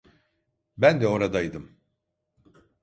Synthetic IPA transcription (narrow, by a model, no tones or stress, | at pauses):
bænd̪ɛo̞ɾad̪ajd̪ɯm